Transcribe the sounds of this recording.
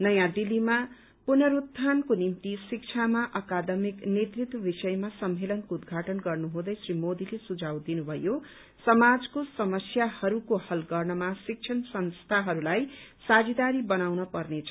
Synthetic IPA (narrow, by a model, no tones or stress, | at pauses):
nʌjãd̪ilːima | punʌɾut̪ʰːankonimt̪isik̚t͡sʰamaʔʌkad̪ʌmiknet̪rit̪wʌbisʌjmasʌmːelʌnkoud̪ɡʱaʈʌnɡʌrnuɦõd̪ʌjsrimod̪ilesud͡zʱawd̪inubʱʌjo | sʌmad͡zkosʌmʌsjahʌɾukohʌlɡʌrnʌmasik̚t͡ʃʰʌnsʌnst̪ʰaɦʌɾulajsad͡zid̪aɾibʌnawnʌpʌrnet͡sʰʌ̥